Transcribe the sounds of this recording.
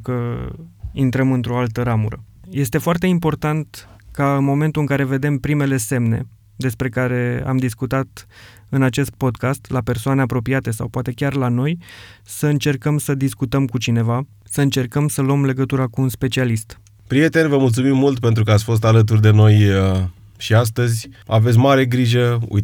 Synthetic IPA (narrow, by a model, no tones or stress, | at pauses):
kə | int̪ɾəmɨnt̪ɾo̞alt̪əɾamuɾə̰je̞st̪e̞foart̪e̞impo̞rt̪ant̪ | kaɨnmo̞me̞nt̪ulɨŋkaɾe̞ve̞d̪e̞mpɾime̞le̞se̞mne̞̰ | d̪e̞spɾe̞kaɾe̞a̰md̪iskut̪at̪ | ɨnat͡ʃe̞st̪̚po̞d̪kast̪lape̞rsoane̞apɾo̞piat̪e̞sa̰wpoat̪e̞kʲarlano̞jsəɨnt͡ʃe̞rkəmsəd̪iskut̪əmkut͡ʃine̞va | səɨnt͡ʃe̞rkəmsəluomle̞ɡət̪uɾakuunspe̞t͡ʃialist̪ | pɾije̞t̪e̞nʲvəmult̪sumimːult̪pe̞nt̪ɾukəat̪sʲfo̞s̬t̪alət̪̬urd̪e̞no̞j | ʃias̬t̪əzʲa̰ve̞t̪s̬ʲmaɾe̞ɡɾiʒəṵj